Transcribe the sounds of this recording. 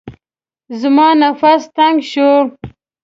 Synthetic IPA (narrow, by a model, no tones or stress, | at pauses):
zmɑːnafast̪aŋɡʃo